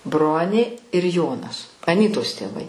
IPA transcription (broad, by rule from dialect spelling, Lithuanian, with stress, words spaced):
ˈbroːnʲeː ɪr ˈjoːnɐs ɐˈnʲiːtoːs tʲeːˈʋɐɪ